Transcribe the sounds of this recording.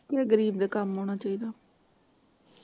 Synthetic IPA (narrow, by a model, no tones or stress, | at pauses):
kaɡəɾiːbd̪aːkamɦoːɽ̃aːt͡ʃaːiːd̪aː